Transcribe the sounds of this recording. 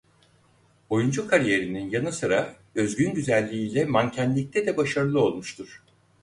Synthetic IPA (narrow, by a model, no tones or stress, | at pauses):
o̞jund͡ʒukʰaɾije̞ɾininjanɯsɯɾa | ø̞zɡynɟyzælʲːiiːlʲɛmancʰænlʲic̚t̪ʰɛd̪ɛbaʃaɾɯlˠɯo̞lˠmuʃt̪ʰuɾ̥